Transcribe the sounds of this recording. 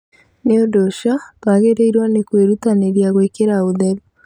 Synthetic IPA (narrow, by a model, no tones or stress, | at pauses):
neodoʃatwaɣeɾeiɾwanekweɾutaneɾjaɣwekeɾaoðɛɾu